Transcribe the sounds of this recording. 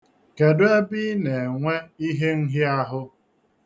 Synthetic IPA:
ke˨dʊ˦e˦bi˦ne˨ŋʷe˦i˦ɦe˦ŋ̩˦ɦɪ˦a˦ɦʊ˦

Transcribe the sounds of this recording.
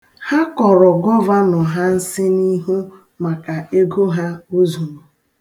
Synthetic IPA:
ha˦kɔ˨ɾɔ˨ɡɔ˦va˦nɔ˨ɦa˦n̩˦sɪ˦ni˦ɦu˦ | ma˨ka˨e˦ɡo˦ɦa˦o˦zu˨mu˨

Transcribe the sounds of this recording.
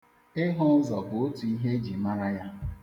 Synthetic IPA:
ɪ˦ɦʊ˦zɔ˨bʊ˨o˦tu˨i˦ɦe˦d͡ʒi˨ma˦ɾa˦ja˦

